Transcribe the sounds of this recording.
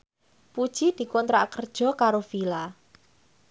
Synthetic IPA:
pud̥ʒ̥id̪̥i̤kɔnt̪ɾa̰kərd̥ʒ̥ɔ̤kaɾofila

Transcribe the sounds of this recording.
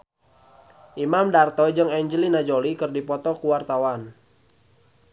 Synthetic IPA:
ʔimamdart̪ɔd͡ʒɨŋɛɲd͡ʒəlinad͡ʒolikɨrdipɔt̪ɔkuwart̪awan

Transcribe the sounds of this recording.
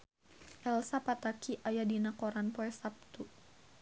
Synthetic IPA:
ʔɛlsapat̪akiʔajadinakɔɾanpɔɛsap̚t̪u

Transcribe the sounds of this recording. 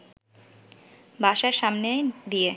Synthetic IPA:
bʱaʃaɾʃamned̪ije

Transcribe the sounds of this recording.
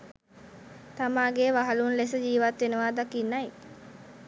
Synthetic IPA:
t̪amaːɡeːʋaɦalunles̬əd͡ʒiːʋat̪ʋenəʋaːd̪akinːaj

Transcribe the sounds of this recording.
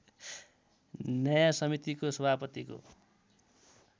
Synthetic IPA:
nʌjasʌmit̪ikosʌbʱapʌt̪iko̰

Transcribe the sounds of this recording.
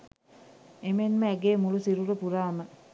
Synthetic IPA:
emenməæɡeːmulusiɾuɾəpuɾaːmə

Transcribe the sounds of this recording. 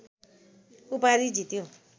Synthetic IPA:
upaɾid͡zʱit̪jo

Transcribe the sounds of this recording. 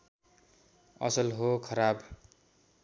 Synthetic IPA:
ʌ̰sʌlɦokʰʌɾab

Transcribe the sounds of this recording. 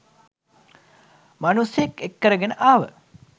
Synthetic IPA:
manusejekekːəɾəɡenəʔaːʋə̰

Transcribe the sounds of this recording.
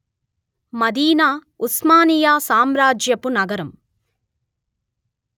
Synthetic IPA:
mɐd̪iːnaː | usmaːnijaːsaːmɾaːd͡ʒjɐpunɐɡɐɾɐm

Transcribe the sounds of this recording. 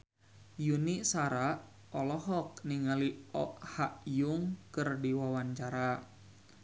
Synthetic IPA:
juniʔsaɾaʔ | ɔlɔɦɔk̚niŋaliɔʔhaʔjuŋkɨrdiwawaɲt͡ʃaɾa

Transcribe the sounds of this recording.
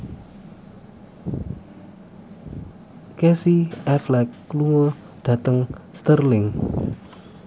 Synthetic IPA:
kɛsiɛflɛkːluŋə | ɖ̥a̤t̪əŋst̪ərlɪŋ

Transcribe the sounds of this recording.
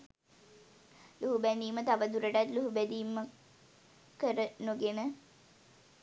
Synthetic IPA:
luɦubæniːmət̪aʋəd̪uɾəʈat̪luɦubæd̪iːmːə | kəɾənuɡenə

